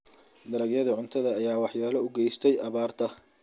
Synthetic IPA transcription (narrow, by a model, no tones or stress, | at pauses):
d̪ɐɾɐɡjɐðɐʕʊnt̪ʰɐðɐːjaːwɑħjaːlɐʊɡɛjst̪ʰɛjʔɐβaːrt̪ʰɐ